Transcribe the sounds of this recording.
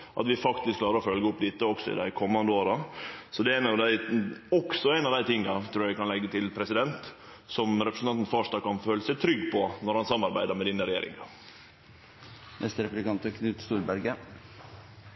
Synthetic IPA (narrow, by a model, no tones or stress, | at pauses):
ʔɑ̰t̪ʋɪfɑkt̪ɪskʰːlɑːɾəɾɔfœlɡəʊpd̪ɪt̪əɔksɔɪ̰d̪æ̰ɪkʰɔmːɑnd̪əoːɾɑsɔd̪ɛæɪnɑʋd̪æɪɔksɔæɪnɑʋd̪æɪt̪ʰɪŋːɑt̪ʰɾuːjæɪkɑnlɛɡːət̪ʰɪlpʰɾɛsɪd̪ɛnt̪ | sɔmɾɛpɾsn̩t̪ɑnt̪n̩fɑʂt̪ɑkɑnføːləsɛt̪ʰɾʏɡːpʰɔnɔɾhɑnsɑmːɑɾbæɪd̪əɾmɛd̪iːnəɾɛjḛːɾɪ̰ŋɑ | nɛst̪əɾɛpʉblɪkʰɑnt̪əkʰnʉːt̪st̪uːɾbæɾɡə